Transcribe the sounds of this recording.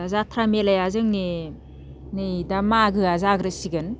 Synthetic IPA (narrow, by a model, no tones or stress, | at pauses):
zatʰɾamelajazɯŋni | nejdamaɡɯazaɡɾɯsiɡɯn